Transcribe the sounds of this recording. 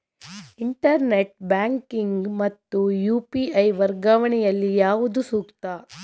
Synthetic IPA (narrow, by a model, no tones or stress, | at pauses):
iɳʈɐɾneʈ̚baːŋkiŋɡmɐt̪ːujuːpiɐjʋɐɾɡaːʋɐɳɛjɐlːijaːʋud̪usuːkt̪ɐ